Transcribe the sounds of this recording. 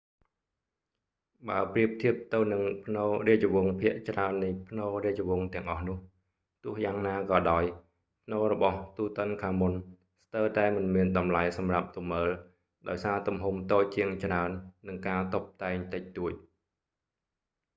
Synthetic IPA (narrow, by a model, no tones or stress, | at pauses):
ɓaəpriəp̚t̪ʰiəp̚t̪ɨwnɨŋpʰnoːriəəʋʊəŋpʰiəʔt͡ɕraənːɨjpʰnoːriət͡ɕoʋʊ̆əŋt̪ɛ̆əŋʔɑhnʊ̆əh | t̪ʊ̆əhjaːŋnaːkɑːɗaɔj | pʰnoːrɔɓɑht̪uːt̪ə̆ənkʰaːmun | st̪əwt̪aɛmɨnmiənɗɑmlajsɑmrap̚t̪umːəːl | ɗaɔjsaːt̪umɦumt̪oːc̚t͡ɕiəŋt͡ɕraənːɨŋkaːt̪op̚t̪aɛŋt̪ɨc̚t̪uəc̚